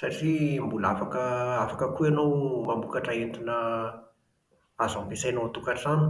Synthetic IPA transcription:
saʈ͡ʂimbulafakəafakəkuanowmambukaʈ͡ʂaent̪inə | azampisajnot̪ukaʈ͡ʂzani̥

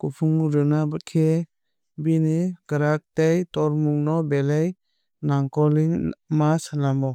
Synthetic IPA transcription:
kupʰuŋɾɯnabɯt̚kʰe | biniɡɾak̚tejtɔɾmuŋnɔbelej | naŋkɔliŋmasnamɔ

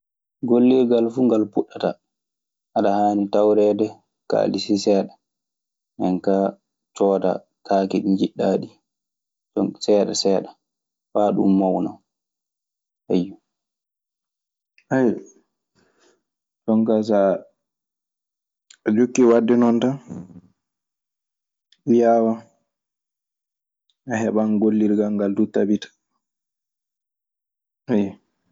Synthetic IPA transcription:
ɡolːiɡalfuŋɡalpuɗːata | ʔaɗahaːnitawɾɛːdɛ | ka̰lisisɛːɗa | ʔɛnka | t͡ʃɔːta̰ | kʰaːkiɗiɲd͡ʒiɗːaɗi | sɔŋsɛːɗasɛːɗa | faːɗṵmːawna̰ | hajːu | aj | d͡ʒɔŋkas̬a | ɔd͡ʒokːiwadːɛnɔnta | ijawa | ɛɦɛɓanɡolːiɾɡaŋɡaldutabitḁ | aj

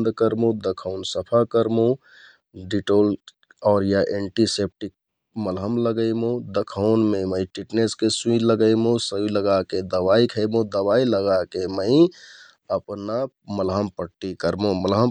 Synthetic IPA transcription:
nd̪kəɾmũd̪əkʰaʊnsəpʰakəɾmũ | ɖiʈoːl | ɔːɾjaʔeɳʈisep̚ʈik̚ | məlɦəmləɡəimõd̪əkʰaʊnmẽməĩʈiʈneskesuĩləɡəimõsəiləɡaked̪əʋaːikʰəɪmũd̪əwaːiləɡakeməĩ | əpna | məlɦəmpəʈːikəɾmõməlɦəm

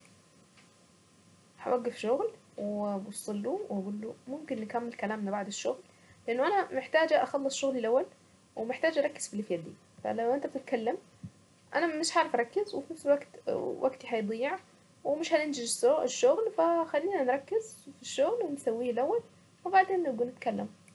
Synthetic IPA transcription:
ha̰waɡːɪfʃʊɣl | wbusˤɑlːuwaɡuːlːumʊmkɪnːɪkamːɪlkalaːmnbaʕd̪ɪʃːʊɣl | lʔɪnːʊʔanamɪħt̪aːd͡ʒʔaxɑlˤːɑsˤʃʊɣlɪlʔawːal | wɪmɪħt̪aːd͡ʒʔɑɾˤɑkːɪ̥z̥filːɪfjad̪iː | fa̰lawʔɪnt̪ab̚t̪ɪt̪̚kalːam | ʔanamɪʃʕaːɾˤɪfʔɑɾˤɑkːɪzwɪfinafsɪlwaɡt̪wʔa̰ɡt̪iħajd̪ˤijːɪʕ | wɪmɪʃhanɪnd͡ʒɪʒsɪʃːʊɣlfaxalːiːnanɾˤɑkːɪzfiʃːʊɣlwɪnsawːiːlʔawːal | wɪbaʕd̪eːnːɪɡuːnːɪt̪kalːa̰m

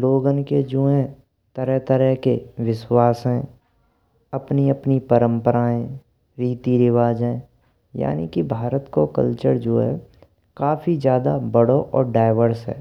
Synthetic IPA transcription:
loːɡənked͡ʒuːẽ | t̪əɾɛɦt̪əɾɛɦkeʋɪʃwaːsɦɛ̃ː | ɐpniɐpnipəɾə̃mpəɾaːẽ | ɾiːt̪iɾɪʋaːd͡ʒɛ̃ | ja̰ːnḭkibʱaːɾət̪kokə̰lt͡ʃəɾd͡ʒoːɦɛ̰ | kaːfizjaːd̪abəɽoʔɔ̰ːɾɖaːɪʋəɾsɦɛ̰ː

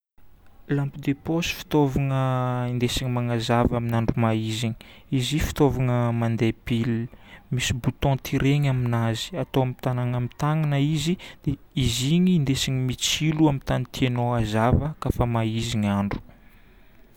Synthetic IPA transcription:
lampid̪eposi̥fi̥t̪ovaŋəind̪esiɲimaŋazavaminaɳɖ͡ʐumaiziɲi̥ | izifi̥t̪ovaŋəmand̪ebilmisibut̪ɔ̃t̪ʰiɾeɲaminazi̥at̪oamit̪anaŋamit̪aŋanəizid̪̥eiziɲiːnd̪esiɲimit͡siluamit̪anit̪ienoazavəkafəmaiziɲaɳɖ͡ʐu̥

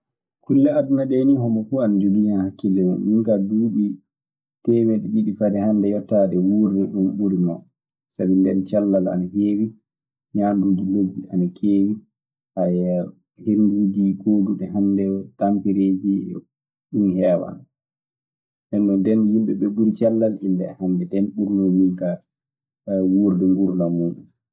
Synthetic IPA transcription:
kulːɛadunaɗenihɔmɔfuanad͡ʒoɡijanhakːilːɛmṵnjiŋkaduːɓi | tɛmɛɗɛɓiɗifadɛhandɛjɔtːadɛwuɾdɛɗumɓuɾinɔ̰ | sabindɛnt͡ʃalːala̰naheːwi | ɲaːnduːd͡ʒiloɡːiʔanakʰeːwi | ʔaj | henduːd͡ʒiɡoːduɓɛɦandɛtampiɾeːd͡ʒi | ɗunhɛːwa̰n | ʔɛnːɔndɛnhimɓɛɓɛbuɾit͡ʃalːalindɛhandɛdɛnɓuɾnoniŋka | wuɾdɛmɓuɾnamuɗu

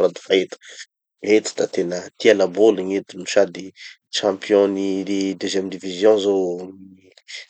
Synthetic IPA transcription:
ɾad̪i̥faet̪ə̥ | et̪i̥t̪at̪enət̪ialaboliɲet̪iniʃad̪i | ʃɑ̃pjɔ̃niid̪øzjɛmd̪ivizjɔ̃zoni

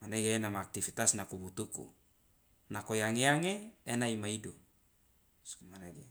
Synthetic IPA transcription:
maneɡeenamaːk̚t̪ifit̪asnakubut̪ukṵ | nakojaŋeaŋeːnaimaido | smaneɡe

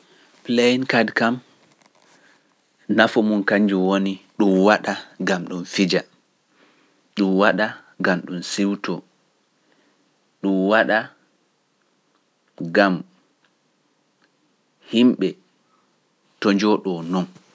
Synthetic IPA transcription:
plejinkadkam | nafɔmunkaɲd͡ʒuwoniɗumwaɗaɡamɗunfid͡ʒa | ɗumwaɗa | ɡamɗunsiwtɔ | ɗumwaɗa | ɡam | himɓɛ | tɔɲd͡ʒɔɗɔnɔn

